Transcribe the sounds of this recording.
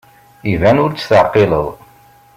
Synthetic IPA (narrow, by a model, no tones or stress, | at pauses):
ivænʊɾt͡sːθəʕqelə̰ðˤ